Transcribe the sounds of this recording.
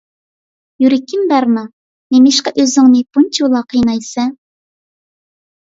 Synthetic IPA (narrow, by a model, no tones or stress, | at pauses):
jyɾɪkʲʰːɪmbæɾnɑ | nemɪʃqɑʔøzɪŋnɪpunt͡ʃʰwlˠɑqʰəjnɑjsɛ